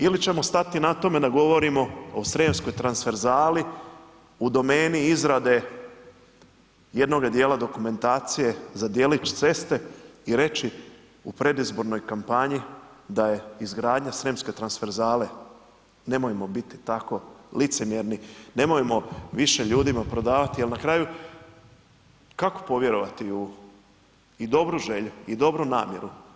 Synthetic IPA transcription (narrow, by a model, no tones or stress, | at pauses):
ilit͡ɕe̞mo̞st̪at̪inat̪o̞me̞d̪aɡo̞ʋo̞ɾimo̞osɾeːmsko̞jt̪ɾansfe̞ɾzaːli | ud̪o̞me̞ːniizɾad̪e̞ | je̞d̪no̞ɡad̪je̞ːlˠad̪o̞kume̞nt̪aːt̪sije̞zad̪je̞ːlit͡ʃt̪se̞st̪e̞iɾe̞t͡ʃi | upɾe̞d̪izbo̞ɾno̞jkampaɲid̪aje̞izɡɾaːd̪ɲasɾemske̞t̪ɾansfe̞ɾzaːle̞ | ne̞mojemo̞bit̪i̥t̪ako̞lit̪se̞mjeɾnine̞mojemo̞ʋiʃe̞ʎuːd̪imapɾo̞d̪aːʋat̪ialnakɾaːju | kako̥po̞ʋje̞ɾo̞ʋat̪iu | id̪o̞bɾuʒe̞ʎuid̪o̞bɾunaːmje̞ɾu